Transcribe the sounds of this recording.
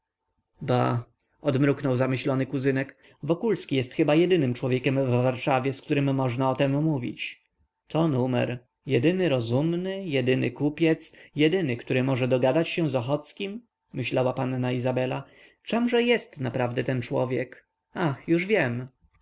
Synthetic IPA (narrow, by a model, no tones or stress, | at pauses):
ba̰ | ɔd̪mɾuknɔwzamɘɕlɔnɘkuzɘnɛk | vɔkulskʲijɛst̪xɘbajɛd̪ɘnɘmt͡ʂwɔvʲjekʲɛmvːaɾʂavʲjɛsk̚t̪uɾɘmːɔʐnaɔt̪ɛmːuvʲḭt͡ɕ | t̪ɔnumɛ̰ɾ | jɛd̪ɘnɘɾɔzumnɘjɛd̪ɘnɘ̰kupʲjɛt̪sjɛd̪ɘnɘkt̪uɾɘmɔʐɛd̪ɔɡad̪at͡ɕɕɛzɔxɔt̪skʲimː | ɘɕlawapanːaizabɛla | t͡ʂɛmʐɛjɛst̪napɾavd̪ɛt̪ɛnt͡ʂwɔ̰vʲjɛk | axjuʐvʲjɛm